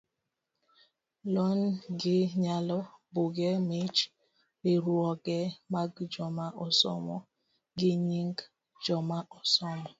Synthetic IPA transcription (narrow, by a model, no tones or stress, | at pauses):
lɔnɡɪɲalɔbʊɡɛmet͡ʃ | beɾuɔɡɛmaɡd͡ʒɔmaʔɔsɔ̰mɔ̰ | ɡɪɲiŋɡ | d͡ʒɔmaʔɔsɔmɔ